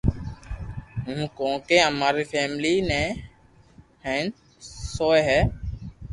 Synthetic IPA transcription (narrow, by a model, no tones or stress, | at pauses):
ɦũːkõːkeːəmaːɾiːfʰɛːmliːnɛ̃ː | hɛ̃ːn | soːeɦɛː